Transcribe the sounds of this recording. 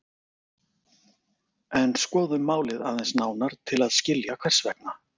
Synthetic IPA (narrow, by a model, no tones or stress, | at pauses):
ɛnskɔːðʏmːaːwlɪðaðɛnsnaːwnaɾ̥t̪ʰɪlaðscɪljakʰvajr̥svɛk̚na